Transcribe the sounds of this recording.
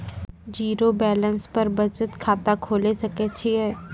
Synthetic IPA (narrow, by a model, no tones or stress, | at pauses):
d͡ʒiːɾobɛːlə̃nspɐɾbɐt͡ʃət̪kʰaːt̪akʰoːlesɐket͡ʃʰiɦɛː